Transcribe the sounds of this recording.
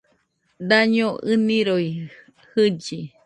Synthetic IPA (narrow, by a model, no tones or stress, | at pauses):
d̪aɲõʔɨnĩɾoj | hɨd͡ʒi